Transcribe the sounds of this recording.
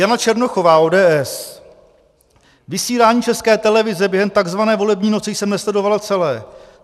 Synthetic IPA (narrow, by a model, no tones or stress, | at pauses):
janat͡ʃɛɾno̞xo̞vaːʔoːdɛːɛs | vɪsiːlaːɲiːt͡ʃɛskɛːt̪ɛlɛvɪzɛbjɛɦɛmt̪aɡzvanɛːvo̞lɛbɲiːno̞t͡sɛjsɛmnɛslɛdo̞valat͡sɛlɛː